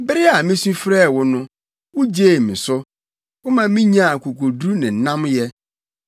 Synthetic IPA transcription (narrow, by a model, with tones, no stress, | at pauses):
bɪ˦ɾɪ˦a˨mĩ˦sũ˦fɾɛː˦˨wʊ˦nʊ̃˦ | wʊ˦d͡ʑeː˦˨mĩ˨sʊ˦ | kʊ˦mã˨mĩ˦ɲã˦˨a˨ku˨ko˨du˦nɪ̃˨n̩˨˦nã˦mjɛ˦